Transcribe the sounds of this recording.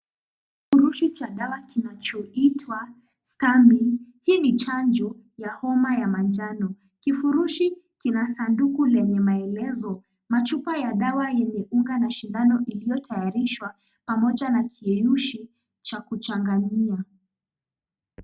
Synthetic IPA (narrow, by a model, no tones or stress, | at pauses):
k | ifuɾuʃit͡ʃaɗawakinat͡ʃɔitʰwa | skambihiːnit͡ʃand͡ʒɔ | jahɔmajamand͡ʒanɔ | kifuɾuʃikinasandukulɛɲɛmaɛlɛzɔ | mat͡ʃupajaɗawajɛɲɛʔuŋɡanaʃindanɔʔilijɔtʰajaɾiʃwa | pamɔʄanakʰiɛjuʃi | t͡ʃakut͡ʃaŋɡaɲia